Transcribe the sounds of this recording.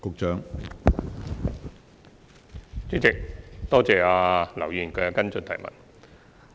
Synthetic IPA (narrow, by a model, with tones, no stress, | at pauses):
kʊ˨˧k̚t͡ʃœː˨˥ŋ | t͡sy˥t͡sɪ˨k̚t̪ɔː˥t͡sɛː˨aː˧lɐ˨˩wjiː˨˩nkɛː˧kɐ˥nt͡sɵ˨˧nt̪ʰɐ̰˨˩jmɐ̰˨˩n